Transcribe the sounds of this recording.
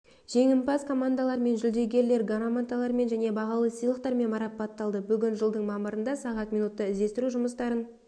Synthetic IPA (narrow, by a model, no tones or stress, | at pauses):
ʒ̥e̞ŋɪmpɑskʰo̞mand̪alˠɑɾme̞nʒʏld̪e̞ɡʲe̞ɾle̞ɾɡaɾomant̪alˠɑɾme̞nʒæne̞bɑʁɑlˠəsijlˠəq̚t̪ɑɾme̞nmɑɾɑpːɑt̪ːɑlˠd̪əbʏɡʲɪnʒəlˠd̪əɴmɑməɾənd̪ɑsɑʁɑt̪mijnut̪ːəɪzd̪e̞st̪ɪɾuʒʊməst̪ɑɾən